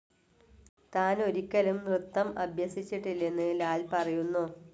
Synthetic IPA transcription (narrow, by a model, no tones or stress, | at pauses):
t̪aːno̞ɾikʲːɐlumrɨt̪ːɐmɐbʱjɐsit͡ɕːiʈːilːe̞nːɨlaːlpɐrɐjunːuː